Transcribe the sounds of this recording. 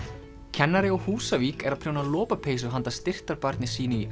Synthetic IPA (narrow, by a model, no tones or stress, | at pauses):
cʰɛnːaɾɪɔɣhuːsaviːkɛɾaðpʰɾ̥jownalɔːpapʰeːjs̬ʏɦant̪ast̪ɪr̥t̪aɾpaɾt̪nɪsiːnʏi